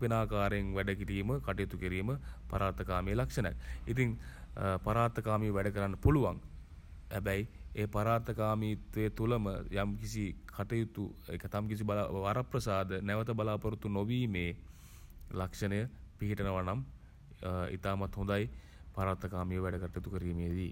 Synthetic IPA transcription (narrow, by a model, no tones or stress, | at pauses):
pinaːkaːɾeŋʋæɖəkiʈiːməkaʈəjut̪ukiɾiːməpa̰ɾaːɾt̪əkaːmeːlakʂənəja̰kit̪iŋpaɾaːɾt̪əkaːmiʋəʋæɖəkəɾanːəpuluʋa̰ŋ | hɛbɛjepaɾaːɾt̪əkaːmiːt̪ʋeːt̪uləmə̰jamkisikʰaʈəjut̪uḛkət̪amkisibalaʋaɾaprəsaːd̪ənæʋət̪əbalaːpəɾut̪unoʋiːmeː | lakʂənəjəpiɦiʈənəʋanam | ḭt̪aːmat̪hund̪aj | paɾaːɾt̪əkaːmiʋəʋɛɖəkaʈəjut̪ukəɾiːmed̪i